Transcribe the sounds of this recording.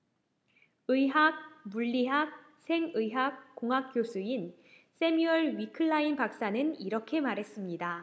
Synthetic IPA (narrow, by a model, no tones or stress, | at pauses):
ɯjɦak̚muʎːiɦak̚ | sʰe̞ŋɯjɦak̚k͈ːoŋɦak̚k͈josʰuin | s͈ʰe̞miʌɭɥikʰɯɭːainpak̚s͈anɯniɾʌkʰe̞maɾɦe̞s͈ɯmɲida